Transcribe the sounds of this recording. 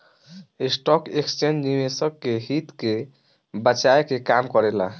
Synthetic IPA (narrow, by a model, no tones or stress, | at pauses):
esʈɔkekst͡ʃend͡ʒnimesəkːeɦit̪ke | bət͡ʃaekekamkɔɾela̰